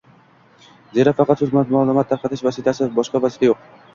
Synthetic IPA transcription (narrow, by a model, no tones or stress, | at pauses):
d͡ʒeɾafɑqɑt̪suzmamaːlˠɨmat̪ʰːaɾqɑt̪ʰɪʃvasit̪ʰasɪbɒʃqɑvɑsɪ̥t̪ʰajoq̚